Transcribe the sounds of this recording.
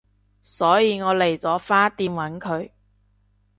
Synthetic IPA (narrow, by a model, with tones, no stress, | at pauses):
sɔː˨˥jiː˨˧ŋɔː˨˧le˨˩jt͡sɔː˨˥faː˥t̪iː˨˧mwɐ˨˥nkʰɵ˨˧ɥ